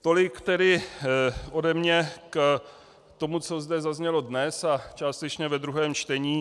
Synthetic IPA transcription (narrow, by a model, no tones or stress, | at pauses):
t̪o̞lɪkt̪ɛdɪ | ʔo̞dɛmɲɛk | t̪o̞mut͡so̞zdɛzazɲɛlo̞dnɛsat͡ʃaːst̪ɛt͡ʃɲɛvɛd̪ɾuɦɛːmt͡ʃt̪ɛɲiː